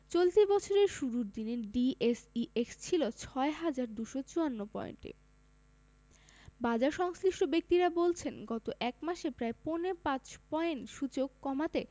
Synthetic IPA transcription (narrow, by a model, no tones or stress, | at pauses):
t͡ɕolt̪ibɔt͡ɕʰoɾeɾʃuɾuɾd̪ineɖiesiʔekst͡ɕʰilot͡ɕʰɔeɦad͡ʑaɾd̪uʃot͡ɕuanːopɔ̰jḛnʈḛ | bad͡ʑaɾʃɔŋsliʃʈobek̚t̪iɾabolt͡ɕʰenɡɔt̪oʔɛkmaʃepɾaeponepãt͡ɕpɔjeɳʃut͡ɕokːɔmat̪e